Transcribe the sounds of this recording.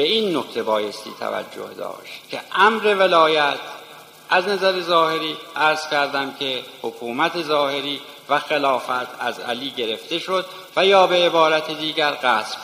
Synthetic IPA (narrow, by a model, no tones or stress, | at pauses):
beiːnːokt̪ʰe̞bɒːjest̪ḭːt̪ʰæ̰væ̰d͡ʒːo̰hd̪ɒ̰ːʃt̪cʰeʔæmɾe̞velɒːjæt̪ʰ | ʔæznæzæɾe̞zɒːhe̞ɾiːʔæɾz̥kʲæɾd̪æmkʰehokʰuːmæt̪ʰe̞zɒːhe̞ɾiː | væxelɒːfæt̪ʰæ̰zæ̰liːɟeɾe̞ft̪e̞ʃo̞d̪ | væjɒːbe̞ːbɒːɾæt̪ʰed̪iːɟæɾɣæːsb̥